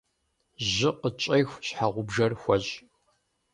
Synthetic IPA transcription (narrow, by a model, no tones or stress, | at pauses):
ʑɪqət͡ʃʼejxʷɕħaʁʷʊbʒɐrxʷɐɕʼ